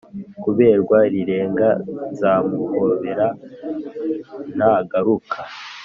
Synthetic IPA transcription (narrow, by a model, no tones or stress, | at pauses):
kuβe̞ːɾɡwaɾiɾe̞ːŋɡazamukoβeɾa | naɡaɾukʰa